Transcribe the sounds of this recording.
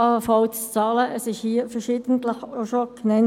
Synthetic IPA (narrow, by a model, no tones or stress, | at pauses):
ɑfɑltt͡sɑːləʔəsɪʃhiːəfəɐʃiːd̥̪ən̩tləχoʃoknɛn